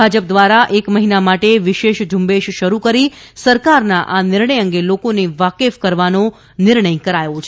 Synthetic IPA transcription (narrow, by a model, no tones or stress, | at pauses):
ad͡ʒəp̚d̪ʋaɾaʔekməɦinamaʈeʋiʃeʃd͡ʒumbeʃʃəɾukəɾisəɾkaɾnaʔanɪɾɳəjəŋɡelokoneʋakefkəɾʋano | nɪɾɳəjkəɾajot͡ʃʰ